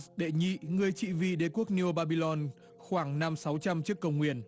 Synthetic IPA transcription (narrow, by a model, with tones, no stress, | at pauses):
ɗḛ˧˨ɲḭ˧˨ŋɨ˨˩əjt͡ɕḭ˧˨vḭ˧˨ɗe˨˦ku˦˥ək̚ni˧o˧ɓaː˧ɓi˧lɔ˧n | xwaː˧˩ŋna˧msa˨˦wt͡ɕa˧mt͡ɕɨ˦˥əkːə˧wŋ͡mŋwḭ˧˩˨ən